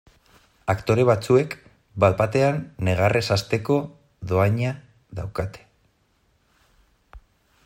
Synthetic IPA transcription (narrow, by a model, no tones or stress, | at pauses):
akt̪o̞ɾe̞β̞at͡sue̞k | bat̪̚bat̪e̞anːe̞ɣ̞arʔe̞sast̪e̞ko̞ | ðo̞aɲa | ða̰wkat̪e̥